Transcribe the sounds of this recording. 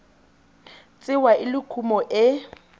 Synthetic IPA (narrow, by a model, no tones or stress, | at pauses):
t͡sʼɪwaʔɪlɪkʰumɔʔɪ